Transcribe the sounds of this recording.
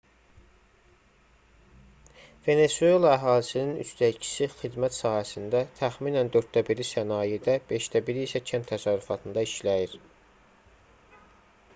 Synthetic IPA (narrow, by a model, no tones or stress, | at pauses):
ve̞ne̞sue̞lˠɑæɦɑːlisininy̰st̪æcʰi̥sixid̪mæt̪sɑːhæsind̪æt̪ʰæxminænd̪ø̞ɾt̪d̪æbiɾisænɑːjed̪æb̥e̞ʃt̪æbiɾiːsæcʰænt̪ʰːæsɑɾːufɑt̪ʰɯnd̪ɑiʃlæjiɾ